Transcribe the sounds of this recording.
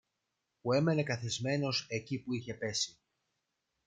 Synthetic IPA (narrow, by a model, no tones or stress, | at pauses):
pue̞me̞ne̞kɐθizme̞no̞se̞cipuiçe̞pe̞si